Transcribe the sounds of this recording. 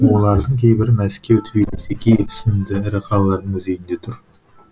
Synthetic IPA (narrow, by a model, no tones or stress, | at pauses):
wolˠɑɾd̪əŋkʲʰejbɪɾmæskʲewt̪ʰɪbilɪsekʲʰejsɪnd̪ɪɪɾəqʰɑlˠlːˠɑɾnəŋʏzejɪnd̪et̪ʰʊɾ